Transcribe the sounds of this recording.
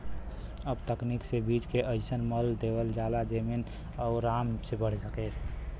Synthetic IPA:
əbt̪əkniksebit͡ʃkeʔəɪsənməld̪ewəld͡ʒalad͡ʒemen | ɔʊɾamsebəɽ̤səket̪

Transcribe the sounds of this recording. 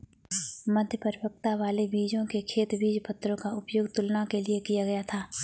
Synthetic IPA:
mɐd̪ʱjəpəɾbək̚t̪aʋaːlebiːd͡ʒõkekʰeːt̪biːd͡ʒpɐt̪ːɾõkaʊpjoːɡt̪ʊlnakeliekijaɡɐjat̪ʰaː

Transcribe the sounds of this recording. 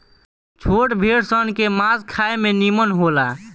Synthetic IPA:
t͡ʃʰoʈbʱeɽsənkemaskʰaemenimənɦola

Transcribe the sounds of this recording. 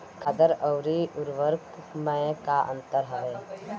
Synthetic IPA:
kʰəd̪əɾəʊɾiʊɾʋəɾkmɛ̃kaʔə̰̃nt̪əɾɦɐʋeː

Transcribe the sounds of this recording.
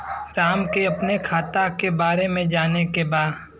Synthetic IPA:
ɾaːmkeɐpnekʰaːt̪akebaːɾemẽd͡ʒaːnekebaːd̪

